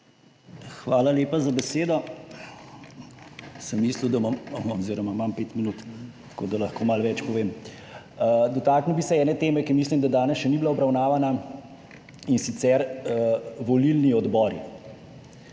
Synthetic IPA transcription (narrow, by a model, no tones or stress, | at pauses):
xʋaːlaleːpazabɛseːd̪ɔ | sɛmːiːsliwd̪amamɔziɾɔmamampeːt̪minut̪ | t̪kod̪alɐxkoːmalʋɛt͡ʃpɔʋeːm | d̪ɔt̪aːknuwbisɛɛːnɛt̪eːmɛkimiːslimd̪ad̪aːnɛsʃɛnibilaɔbɾawnaːʋana | insit̪sɛɾ | ʋɔlilniɔd̪bɔɾḭ